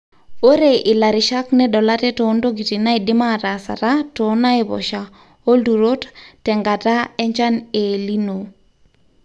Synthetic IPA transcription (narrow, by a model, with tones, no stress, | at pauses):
o˦ɾe˦ʔɪ˨la˨ɾɪ˨ʃa˦knɛ˦ɗɔ˨la˦tɛ˦tɔ˨˦ndo˦ɡi˨ti˨na˦i˨dɪ˦ma˦ta˨sa̰˨ta˦tɔ˦na˦ɪ˨βɔ̰˨ʃa | o˦ldu˨ɾo˦ttɛ˨ŋɡa˨ta˦ɛ˦ɲt͡ʃa˦ne˨li˦no˨